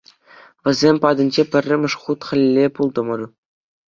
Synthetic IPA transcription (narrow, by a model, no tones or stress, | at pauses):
ʋʲɘ̆zʲemʲpɑd̪ɤ̆nʲd͡ʑepʲɘ̆rʲːɘ̆mʲɘ̆ʂχut̪χʲɘ̆lʲlʲːepulˠd̪ɤ̆mɤ̆rʲu